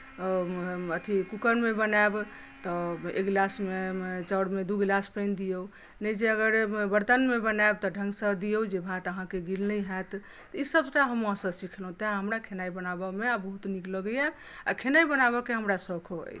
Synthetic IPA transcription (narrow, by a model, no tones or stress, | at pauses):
ət̪ʰikukənmebənab | t̪ɔḛkɡlasmet͡ʃəɽmed̪uɡlaspənd̪ijou | nəd͡ʒeəɡəɾbəɾt̪ənmebənaeb̚t̪ɔɖʱə̃ŋɡsə̃d̪ijod͡ʒebʱat̪əɦãkeɡilnəjɦɛt̪ | t̪ɔisəbsəʈaɦəmːãsə̃sikʰlɦũt̪ãɦəmɾakʰenaibənabəmeabəɦut̪nikləɡəja | akʰenaibənabəkeɦəmɾasəkʰoɦə̰j